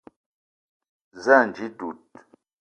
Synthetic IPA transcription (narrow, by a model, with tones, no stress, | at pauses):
za˦˨n˨d͡ʒi˨˦du˨t̚